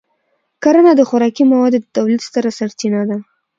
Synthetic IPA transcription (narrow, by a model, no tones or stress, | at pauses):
kaɾonad̪əxʊɾɑkimawɑd̪od̪ət̪awlit̪st̪aɾasaɾt̪inad̪a